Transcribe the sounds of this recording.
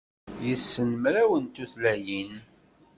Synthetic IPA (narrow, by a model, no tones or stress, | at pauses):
jəsːənmɾæwənt̪uθlæjin